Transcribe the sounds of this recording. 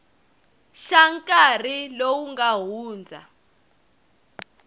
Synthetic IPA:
ʃaŋkar̤ilowuŋɡaɦuːnd͡zʱa̰

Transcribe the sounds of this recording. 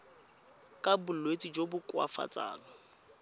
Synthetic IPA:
kʼabʊlwet͡sʼid͡ʒobʊkwa̰fa̰t͡sʼa̰ːlɔ

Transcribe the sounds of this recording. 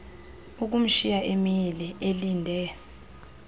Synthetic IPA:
uk̬um̩ʃijaʔemilɛʔeliːndʱɛ

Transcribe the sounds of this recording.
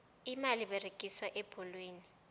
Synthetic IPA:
imaliβɛreɡ̥ʱiswaʔɛb̥ʱɔlweːni

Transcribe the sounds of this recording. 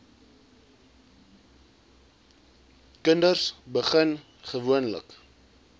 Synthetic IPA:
kəndərsbəχən | χəvuənlə̰k

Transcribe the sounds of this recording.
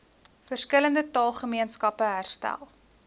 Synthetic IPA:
fərskələndətɑːlˠχəmiənskɐpəɦærstæ̰lˠ

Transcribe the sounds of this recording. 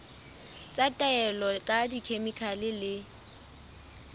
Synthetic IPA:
t͡sʼatʼaɛlɔkʼadikʰemikʰalɪlɪ

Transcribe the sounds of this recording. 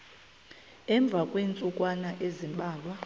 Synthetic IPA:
ɛɱb̪vʱakʼweːnt͡sʼukʼwanaʔezimɓʱaːlwa

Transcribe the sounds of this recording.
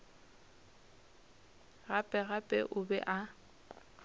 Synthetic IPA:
ɣapʼɛɣapʼɛ̰ʔʊbɛ̰ʔa

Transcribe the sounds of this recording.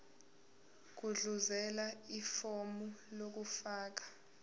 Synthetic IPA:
k̬uɮuzɛlaifomulok̬ufaːk̬ḁ

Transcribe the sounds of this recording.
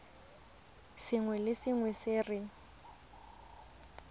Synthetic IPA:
sɪŋwɛlɪsɪŋwɛsɪːrɪ

